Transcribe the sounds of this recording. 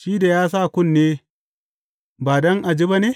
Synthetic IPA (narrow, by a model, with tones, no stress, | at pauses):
ʃiː˦da˨jaː˦s̬a˦˨kʷʊ˦˨nːeː˦ | baː˨dɔ˦ŋʔa˨d͡ʒi˦ba˦neː˦